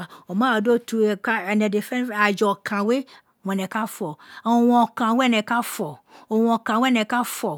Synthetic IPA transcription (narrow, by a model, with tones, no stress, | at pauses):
a˨o˨mã˦a˨do˦tu˨ka˦ɛ˨nɛ̃˨de˨fɛ̃˦n˦a˨d͡ʒɔ˨kʰã˨we˦ | wɔ̃˨nɛ̃˨ka˦fɔ˨wɔ̃˨kã˨we˦ɛ˦nɛ̃˨ka˦fɔ˨ | o˨wɔ̃˨kã˨we˦ɛ˦˨nɛ̃˨ka˦fɔ˨